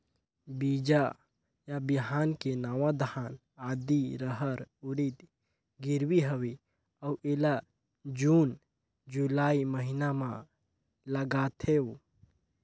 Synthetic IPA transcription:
bid͡ʒa | jabiɦaːnkenaːʋad̪ʱan | aːd̪iɾəɦəɾuɾit̪ | ɡɪɾwiɦəwi | əuʔela | d͡ʒuːn | d͡ʒulaːiməɦinamã | ləɡaːt̪ʰe

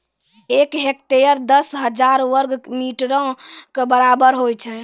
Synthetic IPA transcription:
ekɦek̚t̪ejəɾd̪əsɦəd͡ʒaɾʋəɾɡmiʈɾə̃kebəɾabəɾɦojt͡ʃʰɛ

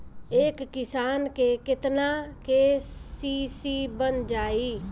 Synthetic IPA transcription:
eːkːɪsaːnkekɪt̪nakesisibənd͡ʒaːi

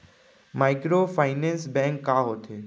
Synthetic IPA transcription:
maɪkɾoːfʰaːɪnẽnsbɛ̃ŋkːaːɦoːt̪ʰe

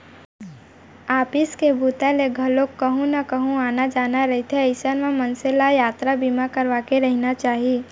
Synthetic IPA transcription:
aːpɪskebʱuːt̪aleɡʱɐlokːəɦũnɐkəɦũaːnad͡ʒaːnaɾɐɦit̪ʰeəɪsənmamənselajaːt̪ɾabimakəɾʋaːkeɾəɦnat͡ʃaːɦi

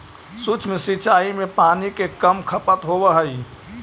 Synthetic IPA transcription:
sut͡ʃmẽsit͡ʃaːimẽpaːnikekəmkʰəpət̪ɦobəɦəi

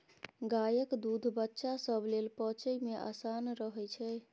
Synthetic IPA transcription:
ɡajəkd̪ud̪ʱbətːʃasəbʱlelpət͡ʃəjmeʔa̰sanɾəɦɛt͡ʃʰɛ

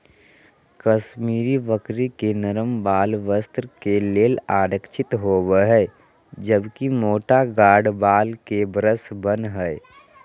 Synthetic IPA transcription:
kəʃmiːɾiʋəkɾikenəɾəmbaːlʋəst̪ɾkeleːlaːɾəkʃʰɪt̪ɦoːwɦɛ | d͡ʒəbkimoːʈaɡaːɽbaːlkebɾəsbənɦəɛ

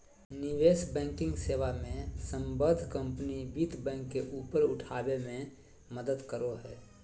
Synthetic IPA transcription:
nɪʋeːsbɛ̃ːŋkɪ̃ŋɡseːʋamẽsə̃mbəd̪ʱkə̃mpnibiːt̪bɛ̃ːŋkːeʔuːpəɾʊʈʰaːbemẽ | məd̪əd̪kəɾoɦɛː

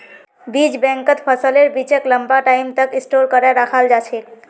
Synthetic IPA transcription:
bid͡ʒbɛ̃ŋkət̪pʰəsəleɾbit͡ʃəkləmbaʈaimt̪əkisʈoɾkəɾɛɾakʰald͡ʒat͡ʃʰɛ

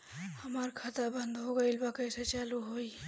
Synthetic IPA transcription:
həmaːɾkʰat̪abə̃nd̪ɦoɡɐɪlbakəjset͡ʃaːluɦoːi

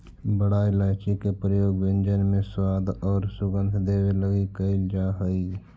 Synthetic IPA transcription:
bəɽaɪlaːt͡ʃikepɾəjoːɡʋɪ̃nd͡ʒənmẽswaːd̪ʱɔːɾsʊɡə̃nd̪ʱd̪eːweləɡikəɪld͡ʒaːɦəiː

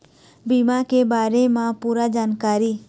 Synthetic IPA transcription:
biːmãkebaːɾemãpuːɾad͡ʒaːnkaːɾiː

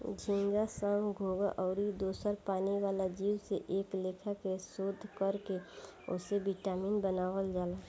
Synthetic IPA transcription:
d͡ʒʱĩŋɡasə̃ːŋɡɡʱoːɡaʔɔːɾid̪oːsəɾpaːniʋaːlad͡ʒiːwseʔeːkleːkʰakesoːd̪ʱːkəɾkeʊ̰sebiʈaːmiːnbənaːwəld͡ʒaːlaː

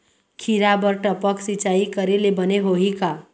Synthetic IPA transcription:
kʰiɾabəɾʈəpəksɪt͡ʃaːikəɾelebəneɦoɦika

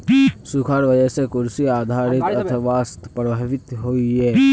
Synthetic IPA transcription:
sukʰaːɾʋəd͡ʒɛsekʊɾsiaːd̪ʱaːɾɪt̪ɐt̪ʰəʋast̪pɾəbʱəʋɪt̪ɦoːiɦɛː

